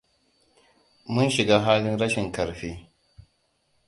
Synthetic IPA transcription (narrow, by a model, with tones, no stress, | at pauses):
mʊ˦nʃɪ˨ɡaː˦ɦaː˦lɪ˦nɾɐ˦ʃɪ˨ŋkɐ˨ɾɸeː˦